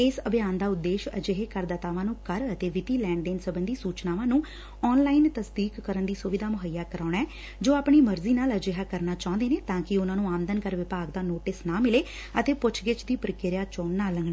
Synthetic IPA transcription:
ɪsəbʱjaːnd̪aːʊd̪ːeːʃə̰d͡ʒeɦeːkəɾd̪aːt̪aːʋãːnũːkəɾət̪eːʋɪt̪iːlɛ̃ːɳɖẽːnsəbənd̪iːsuːt͡ʃnaːʋãːnũː | ɔːnlaːint̪əsd̪iːkːəɾənd̪iːsʊʋɪd̪aːmʊɦəjaːkəɾaːɳɛː | d͡ʒoːaːpɳiːməɾziːnaːləd͡ʒeɦaːkəɾnaːt͡ʃãːʊ̃nd̪eːneːt̪ãːkɪʊnãːnũːaːmd̪ənkəɾʋɪpaːɡd̪aːnoːʈɪsnãːmɪleː | ət̪eːpʊt͡ʃʰɡɪt͡ʃd̪iːpəɾkɪɾɪjaːt͡ʃoːnnaːləŋɡɽeː

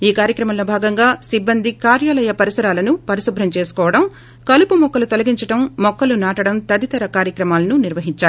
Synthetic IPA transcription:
iːkaːɾjɐkɾɐmɐmlo̞ːbʱaːɡɐŋɡaːsibːɐnd̪ʱikaːɾjaːlɐjɐpɐɾisɐɾaːlɐnupɐɾisubʱɾɐmt͡ʃe̞ːsu̥kɔːʋɐɽɐm | kɐlupumɔkːɐlut̪olɐɡiɲt͡ʃɐɽɐmːɔkːɐlunaːʈɐɽɐmt̪ɐd̪it̪ɐɾɐkaːɾjɐkɾɐmaːlɐnuniɾʋɐɦiɲt͡ʃːaːɾu

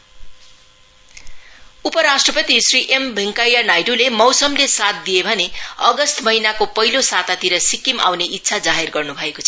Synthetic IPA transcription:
upʌɾasʈrʌpʌt̪isriʔembʱiŋkajjanajʈulemʌwsʌmlesat̪̚d̪ijebʱʌneʌɡʌst̪mʌɦinakopʌɦilosat̪at̪iɾʌsikimʔa̰wneʔit̪ːsʰad͡zaɦerɡʌrnubʱʌekot͡sʰʌ

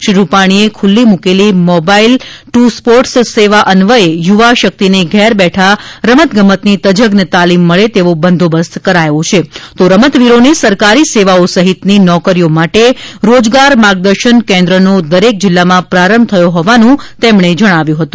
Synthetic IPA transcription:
ʃɾiɾupaɽ̃iekʰulːimukelimɔbailʈuspoɾʈsseʋaʔənʋəejuʋaʃək̚t̪ineɡʱɛɾbɛʈʰaɾəmət̪ɡəmət̪nit̪əd͡ʒəɡnet̪alimːəɭet̪eʋobənd̪ʱobəst̪ʰkəɾajõt͡ʃʰet̪oɾəmət̪ʋiɾonesəɾkaɾiseʋaosəɦit̪ninɔkəɾijomaʈeɾod͡ʒɡaɾmaɡ̚d̪əɾʃənkɛ̃nd̪ɾənod̪əɾek̚d͡ʒɪlːamãpɾaɾəmt̪ʰəjõɦɔʋanũt̪emɳed͡ʒəɽ̃aʋjũɦət̪ũ

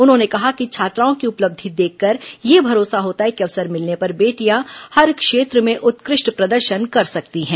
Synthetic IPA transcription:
ʊnɦõːnekɐɦakit͡ʃʰaːt̪ɾaːõkiʊpləb̚d̪ʱid̪eːkʰːɐɾjebʱɐɾoːsaɦoːt̪aɦɛkiɐʋsəɾmɪlnepɐɾbeːʈijahɐɾkʃeːt̪ɾəmẽʔʊt̪kɾɪʃʈpɾɐd̪əɾʃənkɐɾsɐkt̪iɦɛ̃ː

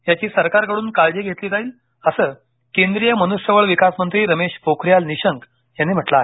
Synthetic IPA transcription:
jat͡ɕiːsəɾkaɾkəɽuːnkald͡ʑeɡʱet̪liːt̪aɦiːl | əsəː | kend̪ɾijəmənusjəʋəɭʋikasmənt̪ɾiːɾəmeɕfokʰɾjalniɕəŋk | janːiːm̤əʈlae

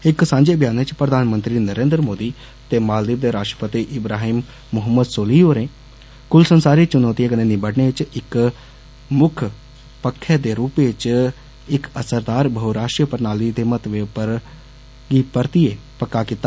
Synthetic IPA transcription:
ɪksãːɲd͡ʒebʱjaːnet͡ʃpɾəd̪ʱaːnmə̃nt̪ɾinəɾeːnd̪ɾmoːd̪i | t̪eːmaːld̪ɪb̚d̪eːɾaːʈɾə̥pət̪iʔɪbɾaːɦiːmː | ʊɦəmːəd̪soːliːoːɾẽː | kʊlsənsaːɾit͡ʃʊnɔːt̪iekənenibəʈɳeɪt͡ʃɪk | mʊkʰ | pəkʰːeːd̪eːɾuːpet͡ʃ | ɪkəsəɾd̪aːɾbʱəɦuɾaːʃʈɾjəpəɾnaːlid̪eːmət̪ʋepəɾ | ɡiːpəɾt̪ieː | pəkːakɪt̪aː

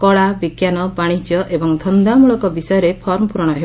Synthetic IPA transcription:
kɔɭabikjanɔbaɽ̃id͡ʒjɔʔebɔŋd̪ʱɔnd̪amuɭɔkɔbisɔjɔɾepʰɔɾmɔpuɾɔɽ̃ɔɦe

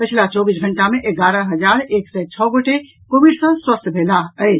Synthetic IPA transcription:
pət͡ʃʰlat͡ʃɔbisɡʱəɳʈamẽʔeɡaɾə̃ɦəd͡ʒaɾeːksɛt͡ʃʰɔːɡoʈe | kobiɖsə̃swəst̪ʰbʱelaəɪ

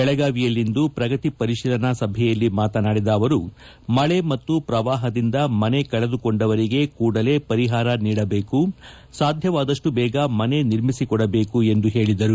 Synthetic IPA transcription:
bɛɭɐɡaːʋijɐlːind̪upɾɐɡɐt̪ipɐɾiʃiːlɐnɐsɐbʱjɛjɐlːimaːt̪ɐnaːɽid̪aːʋɐɾu | mɐɭe̞mɐt̪ːupɾɐʋaːɦɐd̪ind̪ɐmɐne̞kɐɭɐd̪ukoɳɖɐʋɐɾiɡe̞kuːɽɐle̞ːpɐɾiɦaːɾɐniːɽɐbe̞ːku | saːd̪ʱjɐʋaːd̪ɐʂʈubɛːɡɐmɐne̞niɾmisikɔɽɐbe̞ːkue̞nd̪uɦe̞ːɭid̪ɐɾu

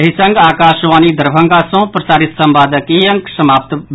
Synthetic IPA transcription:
ɦisɐ̃ŋɡaːkaːʃʋaːnid̪ɐɾbʱɐ̃ŋɡaːsõːpɾɐsaːɾɪt̪sɐmbaːd̪ɐkijɐŋksɐmaːp̚t̪

